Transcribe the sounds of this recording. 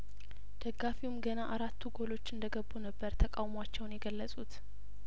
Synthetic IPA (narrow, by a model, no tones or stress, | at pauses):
d̪̥əɡːafiwumɡənaʔaɾat̪ːuɡo̞lo̞t͡ʃːɨnd̪əɡəbːunəbːəɾt̪ʰəkʼawmat͡ʃːɛwnjɛɡəlːəsʼut̪